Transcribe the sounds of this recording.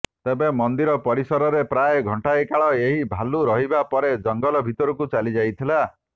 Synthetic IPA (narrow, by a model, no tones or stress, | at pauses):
t̪ebemɔnd̪iɾɔpɔɾisɔɾɔɾepɾajɡʱɔɳʈaekaɭɔeɦibʱaluɾɔɦibapɔɾed͡ʒɔŋɡɔlɔbʱit̪ɔɾukut͡ʃalid͡ʒajt̪ʰila